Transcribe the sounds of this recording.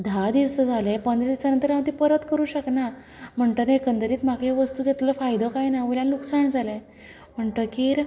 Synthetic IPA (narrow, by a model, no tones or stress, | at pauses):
d̪ʱad̪iʋsəd͡zʱalepənd̪ɾəd̪iʋsanənt̪əɾjãw̃t̪ipəɾət̪kəɾuːɕəkna | m̤əɳʈ̪ənekənt̪əɾiːt̪m̤akeʋəst̪uːɡet̪ləfajd̪əkajnauljãnluksaɳd͡zʱale | m̤əɳʈ̪əkiːɾ